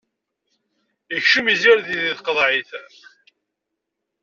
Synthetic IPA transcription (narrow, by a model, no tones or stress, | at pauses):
əçʃumiziɾðiðiθqəðˤʕiθ